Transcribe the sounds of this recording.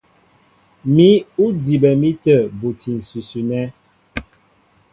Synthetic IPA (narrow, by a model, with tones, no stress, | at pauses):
mi˦u˦di˨bɛ˨mi˦tə˦˨bu˨ti˨n̩˨sʉ˨sʉ˨nɛ˦